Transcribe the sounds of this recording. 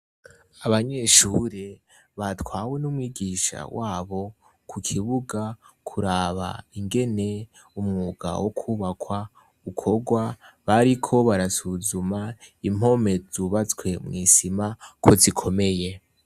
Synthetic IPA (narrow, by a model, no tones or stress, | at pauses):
aβaɲe̞ʃuːɾe | βatwaːwe̞numwiːɡiʃa̰waːβo̞ | kʰukʰiβuɡakʰuɾaβa̰iŋɡe̞ne̞ | umŋuɡa̰wʔokʰuːβakʰwa | ukʰo̞ɡwaβaɾikʰo̞βaɾasuzumaim̥o̞me̞zuβat͡swe̞mŋiːsimakʰo̞zikʰo̞me̞je̞